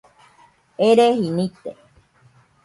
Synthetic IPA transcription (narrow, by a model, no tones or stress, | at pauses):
eɾehinĩt̪e